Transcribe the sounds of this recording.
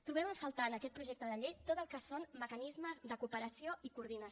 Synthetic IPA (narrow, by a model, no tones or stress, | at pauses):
t̪ɾuβɛməɱfəlˠt̪aənəkɛt̪̚pɾuʒek̚t̪əðəʎejt̪ot̪əlˠkəsonməkənizməzðəkupəɾəsioikuɾðinəs